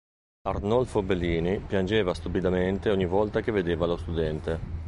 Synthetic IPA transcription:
arnɔlfobelːiːnipjand͡ʒeːvast̪upid̪ament̪eoɲːivɔlt̪akeved̪eːvalost̪ud̪ɛnt̪e

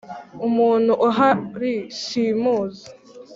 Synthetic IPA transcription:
umuːn̤̥huʔuɦaɾiʃiːmuːza

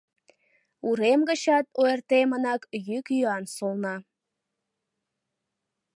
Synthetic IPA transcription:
uɾemɡəɕɑt̪̚ojərt̪emənɑkjykjyɑnsolˠnɑ

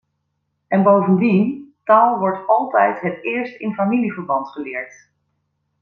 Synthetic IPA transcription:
ʔɛnbowvəndintaːlˠʋɔɹtɑlˠtɛjtɦətɪːɹstɪnfamilivəɹbɑntχəlɪːɹt

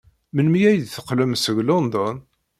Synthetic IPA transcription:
mənmijæjd̪θəqːləmsəʝlond̪ɔn

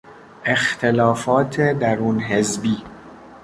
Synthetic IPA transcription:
ʔe̞xt̪ʰe̞lɒːfɒːt̪ʰed̪æɾuːnɦe̞zbiː

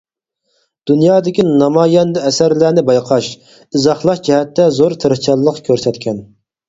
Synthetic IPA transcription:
d̪̥unjɑːd̪ɪkʲinɑmɑːjɛnd̪ɨɛsæɾlænɪbɑjqʰɑʃ | ɨzɑχlˠɑʃd͡ʒɛɦɛt̪ːɛzoɾt̪ʰeɾɨχt͡ʃʰɑlˠːəqkʲʰøɾsɛt̪kʲʰɛn

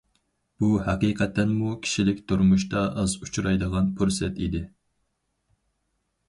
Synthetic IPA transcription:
b̥uhæqiːqʰɛt̪ʰːɛnmukʲʰi̥ʃilɪkʲt̪ʰuɾmuʃt̪ɑʔɑzut͡ʃʰuɾɑjd̪əʁɑnpʰuɾsɛt̪id̪ɪ

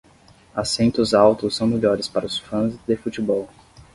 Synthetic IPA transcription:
asẽnt̪ʊzawt̪ʊsːɐ̃w̃meʎɔɾɪspaɾɐʊsfɐ̃zd̪efut͡ʃibɔw

